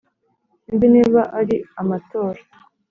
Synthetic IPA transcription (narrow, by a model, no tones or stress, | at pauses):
imbiniːβaʔaɾiamato̞ːɾḁ